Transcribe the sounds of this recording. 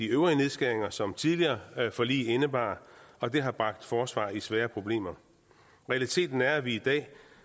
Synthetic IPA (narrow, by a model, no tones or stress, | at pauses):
iøʊʁine̝ðˠsɡ̥æɐeŋɐsɒ̽mt͡sʰiðˠliɐːæfɒ̽lḭːenəb̥ɑ̰̈ːɒ̽d̥e̝ɦɑ̈b̥ʁɑ̈ɡ̥̚d̥fɒːsʋɑ̰̈ːisʋɛːɐpʰʁo̝b̥le̝̰ːmɐ | ʁɛælit͡sʰe̝̰ːd̥n̩æɐʋiid̥ɛ̰ː